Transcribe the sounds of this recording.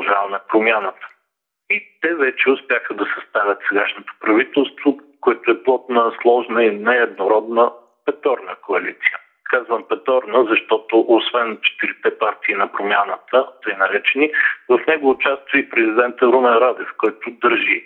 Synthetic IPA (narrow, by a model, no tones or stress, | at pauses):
ʒavɐmɛpɾomʲjanət̪ə̥ | it̪ɛvɛt͡ʃɛʊspʲjaxəd̪ɐsɛst̪avʲət̪sɛɡaʃnot̪o̥pɾɐvit̪ɛlˠst̪vokoɛt̪ʊɛplˠɔt̪nəslˠɔʒnəinɛɛd̪noɾɔd̪nə | pɛt̪ɔɾnəkoɐlit̪si̥ə | kazvəmpɛt̪ɔɾnəzɐʃt̪ɔt̪ʊʔosvɛnt͡ʃɛ̥t̪iɾit̪ɛpaɾt̪iːnɐpɾomʲjanət̪ət̪ɤjnɐɾɛt͡ʃɛnivɐfnɛɡovʊt͡ʃast̪vipɾɛzid̪ɛnt̪əɾumɛɾad̪ɛfkɔjt̪ʊd̪əɾʒi